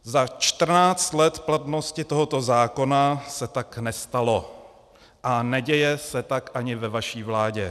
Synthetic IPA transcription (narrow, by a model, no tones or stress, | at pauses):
zat͡ʃt̪r̩naːt͡st̪lɛt̪plat̪no̞scɪt̪o̞ɦo̞t̪o̞zaːko̞nasɛt̪aknɛst̪alo̞ | ʔanɛɟɛjɛsɛt̪akʔaɲɪvɛvaʃiːvlaːɟɛ̰